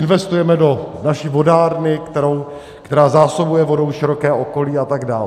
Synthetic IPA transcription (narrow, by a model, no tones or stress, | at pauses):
ɪnvɛst̪ujɛmɛdo̞naʃiːvo̞daːɾnɪkt̪ɛɾow | kkt̪ɛɾaːzaːso̞bujɛvo̞do̞wʃɪɾo̞kɛːʔo̞ko̞liːat̪aɡdaːl